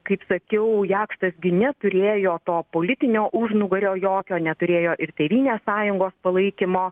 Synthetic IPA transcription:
kɐɪpsɐkʲɛʊjæːkʃt̪ɐsɡʲɪnʲɛt̪ʊɾʲeːjoːt̪oːpoːlʲɪt̪ʲɪnʲoːʔuʒnʊɡɐɾʲoːjoːkʲoːnʲɛt̪ʊɾʲeːjoːʔɪrt̪ʲeːʋʲiːnʲeːssɑːjʊŋɡoːspɐlˠɐɪkʲɪmoː

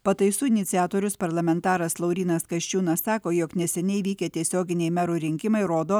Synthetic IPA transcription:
pɐt̪ɐɪsuːɪnʲɪt̪sʲɪæːt̪oːɾʲʊspɐɾlˠɐmʲɛnt̪ɑːɾɐslˠɐʊɾʲiːnɐskɐʃʲt͡ʃʲuːnɐssɑːkoːjoːknʲɛsʲɛnʲɛɪʋʲiːkʲɛt̪ʲiɛsʲoːɡʲɪnʲɛɪmʲɛɾuːɾʲɪŋʲkʲɪmɐɪɾoːd̪oː

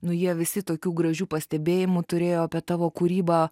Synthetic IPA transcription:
nʊjiɛʋʲɪsʲɪt̪oːkʲuːɡɾɐʒʲuːpɐsʲt̪ʲɛbʲeːjɪmʊt̪ʊɾʲeːjoːɐpʲiɛt̪ɑːʋoːkʊɾʲiːbɑː

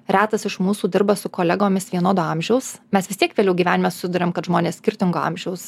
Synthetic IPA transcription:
ɾʲæːt̪ɐsɪʃmuːsuːd̪ʲɪɾbɐsʊkoːlʲæɡoːmʲɪsʋʲiɛnoːd̪oːɑmʲʒʲɛʊsmʲɛsʋʲɪst̪ʲiɛkʋʲeːlʲɛʊɡʲiːʋʲæːnʲɪmɛsʊ̥sʲɪd̪ʊɾʲeːmkɐt̪ʒmoːnʲeːssʲkʲɪɾʲt̪ʲɪŋɡoːɑ̰mʲʒʲɛʊs

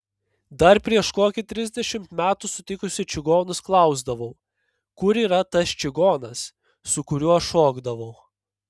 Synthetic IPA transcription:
d̪ɐɾpʲɾʲiɛʃkoːkʲɪt̪ʲɾʲɪzʲd̪ʲɛʃʲɪmt̪mʲæːt̪ʊsʊt̪ʲɪkʊsʲɪt͡ʃʲɪɡoːnʊsklˠɐˑʊzd̪ɐʋɐʊ | kʊɾiːɾɐt̪ɐst͡ʃʲɪɡoːnɐsː | ʊkʊɾʲʊɐʃoːɡd̪ɐʋɐʊ

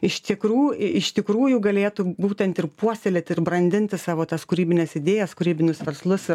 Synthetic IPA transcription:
ɪʃt̪ʲɪkɾuːɪʃt̪ʲɪkɾuːjʊɡɐlʲeːt̪ʊbuːt̪ʲɛnt̪ɪrpuɔsʲt̪ʲelʲet̪ɪrbrɐnʲd̪ʲɪnʲt̪ʲɪsɑːʋoːt̪ɐskʊɾʲiːbʲɪnʲɛsɪd̪ʲeːjɛskʊɾʲiːbʲɪnʲʊsʋʲɛɾslˠʊsɪ

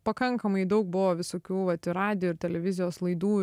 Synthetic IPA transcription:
pɐkɐŋkɐmɐɪd̪ɐʊk̚bʊʋoːʋʲɪsoːkʲuːʋɐt̪ʲɪɾɑːd̪ʲɪjuɪɾt̪ʲɛlʲɛʋʲɪzʲɪjoːslˠɐɪd̪uː

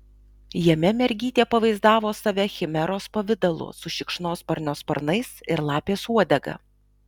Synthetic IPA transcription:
jɛmʲɛmʲɛɾʲɡʲiːt̪ʲeːpɐʋɐɪzd̪ɑːʋoːsɐʋʲɛxʲɪmʲɛɾoːspɐʋʲɪd̪ɐlˠʊ̰sʊʃʲɪkʃnoːspɐɾʲnʲoːspɐɾnɐɪsɪɾlˠɑːpʲeːsuɔd̪ʲɛɡɐ̰

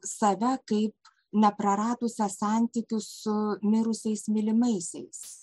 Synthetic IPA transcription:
sɐʋʲɛkɐɪp | nʲɛpɾɐɾɑːt̪ʊsʲɛsɑnʲt̪ʲikʲʊssʊmʲɪɾʊsʲɛɪsmʲɪlʲɪmɐɪsʲɛɪs

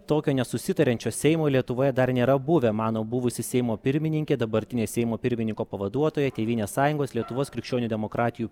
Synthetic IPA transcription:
t̪oːkʲoːnʲɛsʊsʲɪt̪ɐɾʲɛnʲt͡ʃʲoːsʲɛɪmoːlʲiɛt̪ʊʋoːjɛd̪ɐɾnʲeːɾɐbʊʋʲɛmɑːnoːbuʋʊsʲɪsʲɛɪmoːpʲɪɾʲmʲɪnʲɪŋʲkʲeːd̪ɐbɐɾʲt̪ʲɪnʲeːsʲɛɪmoːpʲɪɾʲmʲɪnʲɪŋkoːpɐʋɐd̪uɔt̪oːjɛt̪ʲeːʋʲiːnʲeːssɑːjʊŋɡoːslʲiɛt̪ʊʋoːskɾʲɪkʃʲt͡ʃʲoːnʲud̪ʲɛmokɾɑːt̪ʲɪju

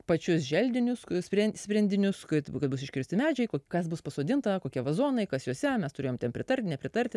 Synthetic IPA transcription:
pɐt͡ʃʲʊsʒʲɛlʲd̪ʲɪnʲʊssʲpʲɾʲɛnsʲpʲɾʲɛnʲdʲɪnʲʊskɐt̪kɐt̪̚bʊsɪʃʲkʲɪɾʲsʲt̪ʲɪmʲæːd͡ʒʲɛɪkoːkɐsbʊspɐsoːd̪ʲɪnt̪ɐkoːkʲiɛʋɐzoːnɐɪkɐsjuɔsʲɛmʲɛst̪ʊɾʲeːjoːmtʲɛnpʲɾʲɪt̪ɐɾʲt̪ʲnʲɛpʲɾʲɪt̪ɐɾʲt̪ʲɪ

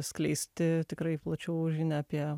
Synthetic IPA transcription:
sʲklʲɛɪsʲt̪ʲɪt̪ʲɪkɾɐɪplˠɐt͡ʃʲɛʊʒʲɪnʲɛɐpʲiɛ

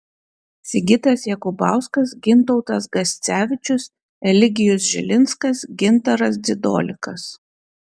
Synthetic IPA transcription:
sʲɪɡʲɪt̪ɐsjɛkʊbɑˑʊskɐsɡʲɪnt̪ɔʊt̪ɐs̬ɡɐsʲt̪sʲæːʋʲɪt͡ʃʲʊs | ɾʲɛlʲɪɡʲɪjʊs̬ʒʲɪlʲɪnskɐsɡʲɪnt̪ɐɾɐsd̪ʲɪd̪o̰ːlʲɪkɐs

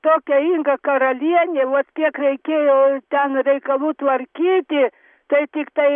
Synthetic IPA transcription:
t̪oːkʲɛiŋɡɐkɐɾɐlʲiɛnʲeːʋɐt̪kʲiɛkɾʲɛɪkʲeːjoːt̪ʲɛnɾʲɛɪkɐlˠuːt̪ʋɐɾʲkʲiːt̪ʲɪ | t̪ɐɪt̪ʲɪkt̪ɐɪ

